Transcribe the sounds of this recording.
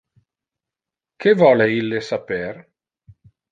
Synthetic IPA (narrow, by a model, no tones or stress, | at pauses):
kevɔːleilːesaper